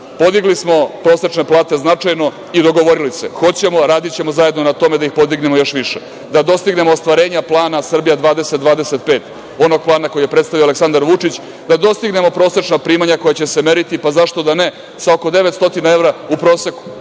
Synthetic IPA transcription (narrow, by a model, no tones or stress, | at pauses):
po̞d̪iɡlismo̞pɾo̞ːset͡ʂne̞plˠaːt̪e̞znat͡ʂajno̞ | id̪o̞ɡo̞ʋo̞ɾilise̞xo̞t͡ɕe̞mo̞ɾaːd̪it͡ɕe̞mozajed̪nonat̪o̞me̞d̪aixpo̞d̪iɡnemo̞jo̞ʃʋiʂḛ | d̪ad̪o̞st̪iɡne̞moːst̪ʋaɾe̞ːɲaplˠaːnasr̩bijad̪ʋaːd̪e̞set̪d̪ʋaːd̪e̞se̞t̪̚pe̞ːt̪ | o̞no̞ɡ̚plˠaːnako̞jijepɾet̪st̪aʋioaleksand̪aɾʋut͡ʂit͡ɕ | d̪ad̪o̞st̪iɡne̞mo̞pɾo̞ːse̞t͡ʂnapɾiːmaɲako̞jat͡ɕe̞seme̞ɾit̪ipazaʂt̪o̞d̪ane | sao̞ko̞d̪e̞ʋet̪st̪o̞t̪inae̞ʋɾaupɾo̞ːse̞ku̥